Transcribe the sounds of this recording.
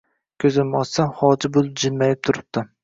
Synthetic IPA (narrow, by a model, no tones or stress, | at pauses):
kʲʰɵzɪmːɒt̪samχɒd͡ʒɪbolˠɪp̚d͡ʒɪnmajɪp̚t̪ʰʊɾɪp̚t̪ɪ